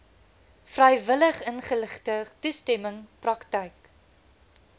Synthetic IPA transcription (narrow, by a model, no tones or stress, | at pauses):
frɐjvələχənχələχtətustɛməŋprɐktəjk